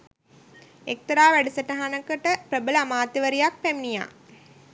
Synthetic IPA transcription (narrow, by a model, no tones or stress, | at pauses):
ek̚t̪ɐɾaːʋæɖəsəʈəɦanəkəʈəpɾəbələamaːt̪iʋəɾijak̚pæminija̰ː